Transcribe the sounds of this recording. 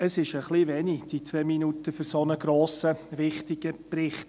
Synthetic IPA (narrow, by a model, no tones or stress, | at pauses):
əsɪʃəχliʋɛnid̥it͡sʋeːminutəføɾsonəɡɾoːsəvɪχtɪɡ̥əprɪχt